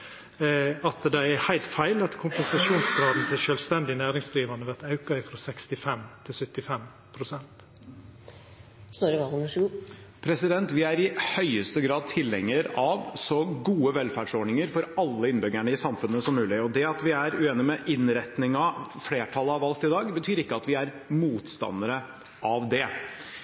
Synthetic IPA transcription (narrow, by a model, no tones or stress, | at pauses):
ɑt̪d̪æɪæhæɪlt̪fæɪlɑt̪kʰʊmpɛnsɑʃuːnsɡɾɑːd̪n̩t̪ʰɪlʃœːlst̪ɛnd̪ɪnæːɾɪŋsd̪ɾiːʋɑnəʋæʁt̪ɑʉkɑɪfɾɔsɛkst̪ɪfɛmt̪ʰɪlsœt̪ːɪfɛm | pʰɾʊsɛnt̪ | st̪oːɾəʋɑʊmæʂɡuːpʰɾɛsɪd̪ɛnt̪ʋɪæɾɪhœʏəst̪əɡɾɑːd̪̚t̪ʰɪlːɛŋːəɾɑʋsɔɡuːəʋɛlfæːɖʂɔɖɳɪŋəɾfɔɾɑlːəɪnbʏɡæɳəɪsɑmfʉnːəsɔmːʉːlɪɔd̪ɛɑt̪ʋɪæɾʉeːnɪmɛʔɪnɾɛt̪nɪŋɑfleːʈʰɑləɑʋɑlt̪ɪd̪ɑːɡbət̪ʰyːɾɪkːəɑt̪ʋɪæɾ | muːt̪st̪ɑ̰nːəɾə | ʔɑʋd̪ɛ